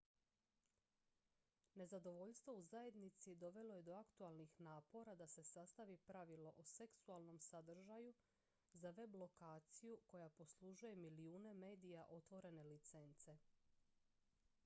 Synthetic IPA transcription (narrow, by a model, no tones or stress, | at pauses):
ne̞zad̪o̞ʋo̞ʎst̪ʋouzaje̞d̪nit̪sid̪o̞ʋe̞lo̞je̞d̪o̞akt̪ualˠnixnaːpo̞ɾad̪ase̞sast̪aʋipɾaʋilo̞ʔose̞ksualˠno̞msad̪r̩ʒaju | zaʋe̞blˠo̞kaːt̪sijuko̞japo̞slˠuʒuje̞miliuːne̞me̞ːd̪ijaʔo̞t̪ʋo̞ɾe̞ne̞lit̪se̞nt̪se̞